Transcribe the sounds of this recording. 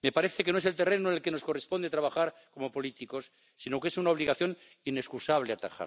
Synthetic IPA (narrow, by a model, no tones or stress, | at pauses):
me̞paɾeθekeno̞eset̪erenonelkeno̞sko̞respo̞nd̪at̪ɾaβ̞axaɾko̞mo̞po̞lit̪iko̞sː | ino̞kesunaoβ̞liɣaθjo̞n | ine̞skusaβ̞leat̪a̰xa̰ɾ